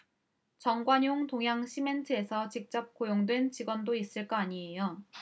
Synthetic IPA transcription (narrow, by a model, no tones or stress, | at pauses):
t͡ɕʌŋɡwaɲoŋtoŋɦjaŋɕʰime̞ntʰɯe̞sʰʌt͡ɕik̚t͡ɕ͈ʌp̚k͈ojoŋdwe̞nt͡ɕiɡwʌndois͈ɯɭk͈ʌaɲie̞jo